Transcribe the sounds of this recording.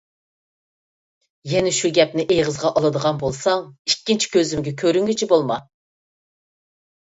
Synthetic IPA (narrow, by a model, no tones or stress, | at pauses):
jɛnɛʃuɡʲɛp̚nɪʔejʁəzʁɑʔɑlˠɨd̪əʁɑnbolˠsɑŋikʲːint͡ʃʰi̥kʲʰøzɪmɡʲɛkʲʰøɾyŋɡʲit͡ʃʰibolˠmɑ